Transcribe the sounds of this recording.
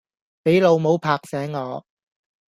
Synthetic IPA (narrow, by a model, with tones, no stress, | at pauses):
pe˨˥jlo˨˧wmo˨˧wpʰaː˧k̚sɛː˨˥ŋːɔː˨˧